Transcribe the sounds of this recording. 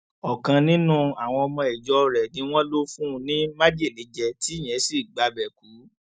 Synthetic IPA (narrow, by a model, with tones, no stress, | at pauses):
ɔ˨kã˧nĩ˦nũ˦a˨w̃ɔ̃˧ɔ˧mɔ̃˧ɛ˨d͡ʒɔ˨˦˧ɾɛ˨nĩ˨˦w̃ɔ̃˦lo˦fũ˦˧nĩ˦ma˦d͡ʒe˦˨le˨˦d͡ʒɛ˧ti˨˦˨j̃ɛ̃˨˦si˨ɡ͡ba˧bɛ˨ku˨˦